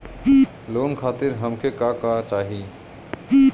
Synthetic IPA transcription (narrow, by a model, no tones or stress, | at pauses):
lonkʰaːt̪iɾɦəmkʰekakat͡ʃaːɦi